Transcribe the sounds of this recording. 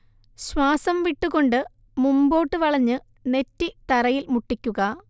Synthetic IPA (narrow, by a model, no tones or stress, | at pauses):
ɕwaːsɐmʋiʈːuɣo̞ɳɖɨ | mumbo̞ːʈːɨʋɐɭɐɲːɨ | ne̞tːit̪ɐrɐjilmuʈːikʲːuɣɐ